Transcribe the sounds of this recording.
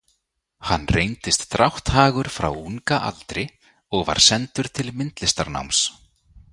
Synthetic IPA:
hanːreːjnt̪ɪst̪ːɾawht̪haːɣʏɾ̥fɾa̰wuŋkaʔa̰lt̪ɾɪ | ɔɣva̰ɾ̥sɛnt̪ʏɾ̥t̪ʰɪlmɪnt̪lɪst̪aɾna̰wms

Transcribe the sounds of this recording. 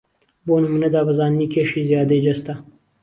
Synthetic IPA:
boːnumuned̪ɑːbɐzɑːnnikeʂizjɑːd̪ed͡ʒɐst̪a

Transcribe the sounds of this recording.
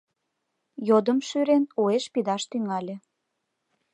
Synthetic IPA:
jod̪əmʃyɾenueʃpid̪ɑʃt̪yŋɑlʲĕ

